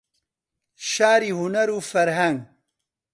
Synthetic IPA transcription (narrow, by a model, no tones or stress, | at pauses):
ʃaːɾiɦunɐɾufɐɾɦɐŋɡ